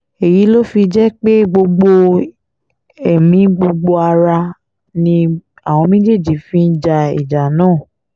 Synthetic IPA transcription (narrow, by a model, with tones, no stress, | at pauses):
e˨ji˨˦lo˦fi˧d͡ʒɛ˦k͡pe˦ɡ͡bo˧ɡ͡bo˧ | ɛ˨mĩ˨˧ɡ͡bo˧ɡ͡bo˧a˧ɾa˧ | nĩ˧ | a˨w̃ɔ̃˧mĩ˦d͡ʒe˦˨d͡ʒi˨˦fĩ˦n̩˦d͡ʒa˧ḭ˨d͡ʒa˨nãː˦˨